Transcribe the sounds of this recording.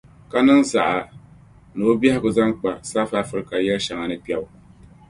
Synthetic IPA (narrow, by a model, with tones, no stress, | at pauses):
ka˦nɨ˦ŋza˨ʔa˨ | no˨˦bɛ˦hɪ˦ɡʊ˨za˦ŋk͡pa˨saː˦faː˦fɨ˦ɾɨ˦ka˨jɛ˦lʃa˨ŋa˨nɨ˦pi˦ɛ˦bʊ˨˦